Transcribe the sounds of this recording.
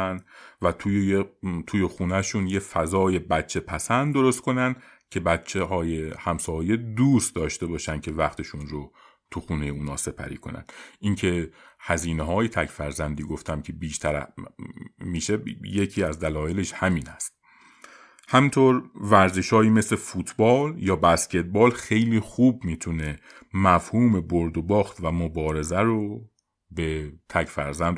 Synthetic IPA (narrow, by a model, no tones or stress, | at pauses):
nd̪væt̪ʰu | t̪ʰuːjexuːnæʃuːnjefæzɒːje̞bæt̪̚t͡ʃʰːe̞pʰæsænd̪d̪o̞ɾo̞st̪̚kʰo̞nænd̪ | cʰe̞bæt̪t͡ʃʰehɒːjehæmsɒːje̞d̪uːst̪d̪ɒːʃt̪e̞bɒːʃænd̪kʲʰe̞væχt̪ʰe̞ʃuːnɾo | t̪ʰuxuːne̞jeuːnɒːse̞pʰæ̰ɾḭːkʰo̞̰næ̰nd̪̥incʰe̞hæziːneɦɒːje̞t̪ʰækʰfæɾzænd̪iːɡo̞ft̪ʰæmkʰe̞biːʃt̪ʰæɾæ̰ | miːʃe̞jecʰiːæzd̪ælɒːje̞le̞ʃhæmiːnhæst̪ | hæmint̪ʰoɾvæɾzeʃɒːjiːmeslefuːt̪ʰbɒːljɒːbæscʰe̞t̪̚bɒːlxe̞jliːxuːbmiːt̪ʰune̞ | mæfhuːme̞boɾd̪obɒːxt̪væmobɒːɾe̞zæɾo | bet̪ʰæcʰfæɾzænd̪